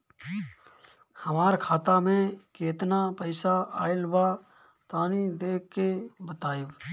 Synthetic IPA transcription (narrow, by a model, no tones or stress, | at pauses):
həmaːɾkʰaːt̪amẽkeːt̪napəɪsaa̰ːɪlba | t̪aːnid̪eːkːebət̪aːib